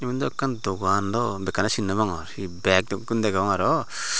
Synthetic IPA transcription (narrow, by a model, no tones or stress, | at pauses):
imind̪ɔakːand̪ɔɡand̪ɔbɛkanasinːɯmaŋɔɾhibɛk̚d̪ɔkund̪ɛɡaɔŋaɾɔ